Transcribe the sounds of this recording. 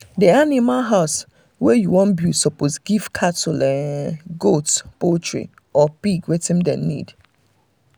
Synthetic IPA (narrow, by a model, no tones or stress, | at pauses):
dianimalɦaʊs | wɛjuwɔ̃nbjusɔposɡiv̥kʰatulɛɡotpotɹḭ | ɔpiɡwɛtĩmdɛ̰̃nḭd̥